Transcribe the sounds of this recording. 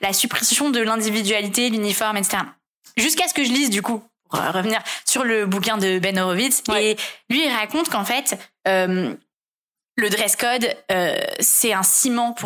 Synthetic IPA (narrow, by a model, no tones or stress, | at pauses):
lasypχesjɔ̃d̪əlɛ̃d̪ivid̪ɥalit̪elynifɔʁmɛt̪se̥t̪eʁa | ʒyskasə̥kəʒəlizd̪ykupuʁə̰ʁəvniʁsyʁləbukʲɛ̃d̪əbɛnoʁovit̪selɥiːlʁakɔ̃t̪kɑ̃fɛt̪øm | ləd̪ʁɛskɔd̪ø̰sɛɛ̃simɑ̃pʰu